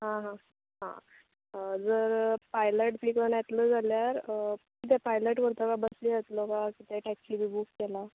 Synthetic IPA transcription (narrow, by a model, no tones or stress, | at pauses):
ɦãɦã | ɦã̰ | d͡zəɾpajləʈpikəɳjat̪ləd͡zʱaljaɾkit̪̬ɛpajləʈkəɾt̪əkabəsliːɦət̪lokakit̪eʈɛkslibibukːɛla